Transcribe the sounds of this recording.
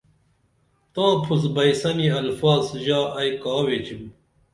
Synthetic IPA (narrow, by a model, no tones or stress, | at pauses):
t̪aːpʰuzbɐjsɐniɐlfaːzʑaːʔɐjkɑːwet͡ɕim